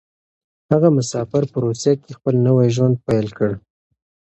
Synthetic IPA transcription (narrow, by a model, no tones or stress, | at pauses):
haɣamʊsɑfɪɾpəɾosakexpəlnəwajʒwand̪̚pajlkəɽ